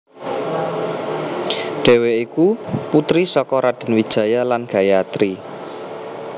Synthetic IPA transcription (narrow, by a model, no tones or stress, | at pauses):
ɖ̥e̤weikuput̪ɾisɔkɔɾad̥ə̤nwid̥ʒ̥ä̤jalanɡ̥ä̤jaat̪ɾi